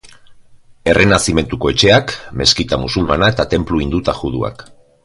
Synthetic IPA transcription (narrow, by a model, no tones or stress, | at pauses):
e̞rʔe̞nasime̞nt̪uko̞e̞t͡ʃe̞akme̞skit̪amusulmanae̞t̪at̪e̞mpluind̪ut̪aʝuðua̰k